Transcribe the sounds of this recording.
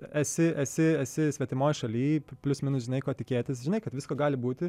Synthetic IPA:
ɛsʲɪʔɛsʲɪɛsʲɪsʲʋʲɛt̪ʲɪmoːjʃɐlʲiːpʲlʲʊsmʲɪnʊs̬ʒʲɪnɐɪkoːt̪ʲɪkʲeːt̪ʲɪsʒʲɪnɐɪkɐt̪ʋʲɪskoːɡɑːlʲɪbuːt̪ʲɪ

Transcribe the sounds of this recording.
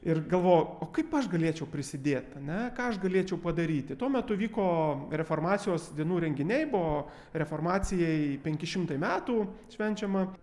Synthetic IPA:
ɪrɡɐlˠʋoːjuoːkɐɪpɐʃɡɐlʲeɛt͡ʃʲɛʊpʲɾʲɪsʲɪd̪ʲeːt̪ɐnʲɛkɑːɐʃɡɐlʲeːt͡ʃʲɛʊpɐd̪ɐɾʲiːt̪ʲɪt̪uɔmʲɛt̪ʊʋʲiːkoːɾʲɛfoːrmɑːsʲɪjoːsd̪ʲiɛnuːɾʲɛŋʲɡʲɪnʲɛɪbʊʋoː | ɾʲɛfoːrmɑːt͡s̪ʲɪjɛɪpʲɛŋʲkʲɪʃʲɪmt̪ɐɪmʲæːt̪uːʃʲʋʲɛnʲt͡ʃʲɛmɐ

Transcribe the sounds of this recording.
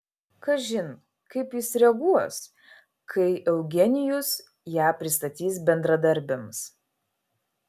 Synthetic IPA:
kɐʒʲɪn | kɐɪpjɪsɾʲɛɡuɔs | kʰɐɪʔɛʊɡʲɛnʲɪjʊs | jæːpʲɾʲɪst̪ɐt̪ʲiːs̬bʲɛnd̪ɾɐd̪ɐɾʲbʲɪms

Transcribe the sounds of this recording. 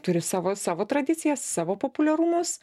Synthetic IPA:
t̪ʊɾʲɪsɑːʋoːsɑːʋoːt̪ɾɐd̪ʲɪt̪t͡ssʲɪjɛsːɑːʋoːpoːpʊlʲɛɾumʊs

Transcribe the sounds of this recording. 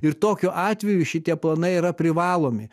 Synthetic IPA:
ɪɾt̪oːkʲoːʔɑːt̪ʲʋʲɛjʊʃʲɪt̪ʲiɛplˠɐnɐɪiɾɐpʲɾʲɪʋɑːlˠoːmʲɪ

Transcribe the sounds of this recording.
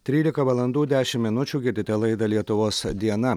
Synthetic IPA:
t̪ʲɾʲiːlʲɪkɐʋɐlˠɐnd̪uːd̪ʲæːʃʲɪmːʲɪnʊt͡ʃʲuːɡʲɪt̪ʲɪt̪ʲɛlˠɐɪd̪ɐlʲiɛt̪ʊʋoːsd̪ʲiɛnɐ

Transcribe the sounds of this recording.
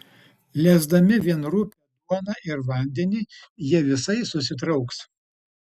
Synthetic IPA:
lʲæːzd̪ɐmʲɪʋʲiɛnɾupʲɛd̪uɔnɑˑʔɪɾʋɐˑnʲd̪ʲɛnʲiːjiɛʋʲɪsɐɪsʊsʲɪt̪̬ɾɐʊks

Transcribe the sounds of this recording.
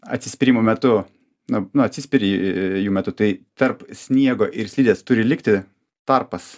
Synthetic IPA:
ɐ̰t̪sʲɪ̥sʲpʲɪɾʲimoːmʲɛt̪ʊ | nʊnʊɐt̪ʲsʲɪsʲpʲɪɾʲɪjuːmʲɛt̪ʊt̪ɐɪt̪ɐɾpsʲnʲiɛɡoːʔɪɾsʲlʲiːd̪ʲeːst̪ʊɾʲɪlʲɪkt̪ʲɪ | t̪ɐrpɐs

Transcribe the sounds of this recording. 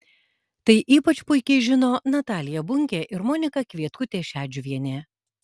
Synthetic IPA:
t̪ɐɪʔiːpɐt͡ʃʲpʊɪkʲɛɪʒʲɪnoːnɐt̪ɑːlʲɪjɛbʊŋʲkʲeːʔɪɾmɔːnʲɪkɐkʲʋʲiɛt̪kʊt̪ʲeːʃʲæːd͡ʒʲʊʋʲiɛnʲeː

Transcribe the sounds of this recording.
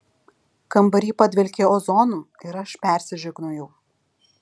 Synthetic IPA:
kɐmbɐɾʲiːpɐd̪ʲʋʲɛlʲkʲeoːzɔnu | ɪɾɐʃpʲɛˑɾʲsʲɪʒʲʊɡnʊjɛʊ

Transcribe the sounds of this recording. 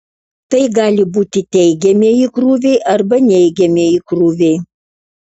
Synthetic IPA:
t̪ɐɪɡɑːlʲɪbuːt̪ʲɪt̪ʲɛɪɡʲɛmʲeikɾuːʋʲɛɪʔɐɾbɐnʲɛɪɡʲɛmʲeikɾuːʋʲɛɪ

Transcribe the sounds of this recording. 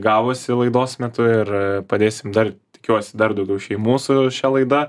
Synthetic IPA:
ɡɑːʋoːsʲɪlˠɐɪd̪oːsmʲɛt̪ʊɪrpɐd̪ʲeːsʲɪmd̪ɐrt̪ʲɪ̥kʲuɔsʲɪd̪ɐrd̪ɐʊɡʲɛʊʃʲɛɪmuːsʊʃʲɛlˠɐɪd̪ɐ

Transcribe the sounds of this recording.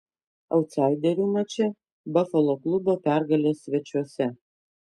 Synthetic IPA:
ɐʊt̪sɑˑɪd̪ʲɛɾʲuːmɐt͡ʃʲɛ | bɐfɐlˠoklˠʊboːpʲæɾɡɐlʲeːsʲʋʲɛt͡ʃʲuɔsʲɛ

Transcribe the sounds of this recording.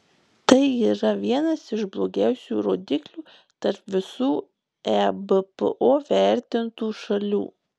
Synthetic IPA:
t̪ɐɪiːɾɐʋʲiɛnɐsɪʃblˠoːɡʲæˑʊsʲṵːɾoːd̪ʲɪklʲuː | t̪ɐɾpʋʲɪsuː | æbəpə̰ʔoːʋʲæˑɾʲt̪ʲɪnt̪uːʃɐlʲṵː

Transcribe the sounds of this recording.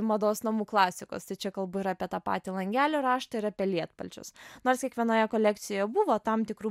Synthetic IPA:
mɐd̪oːsnɐmuːklˠɑːsʲɪko̰ːst̪ɐɪt͡ʃʲɛkɐlˠbʊiːɾɐːpʲiɛt̪ɑːpɑ̰ːt̪ʲiːlˠɐŋʲɡʲæːlʲoːɾɑːʃt̪ɐɪɾɐpʲiɛlʲiɛt̪pɐlʲt͡ʃʲʊ̰snoːrskʲiɛkʋʲiɛnoːjɛkoːlʲɛkt̪sʲɪjoːjɛbuʋoːt̪ɐmt̪ʲɪkɾuː

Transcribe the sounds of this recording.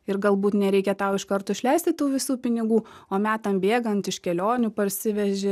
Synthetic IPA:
ɪrɡɐlˠbuːt̪nʲɛɾʲɛɪkʲɛt̪ɐʊɪʃkɐɾt̪oːʃʲlʲɛɪsʲt̪ʲɪtt̪uːʋʲɪsuːpʲɪnʲɪɡuː | oːmʲæːt̪ɐmbʲeːɡɐnt̪ɪʃkʲɛlʲoːnʲuːpɐɾʲsʲɪʋʲɛʒʲɪ

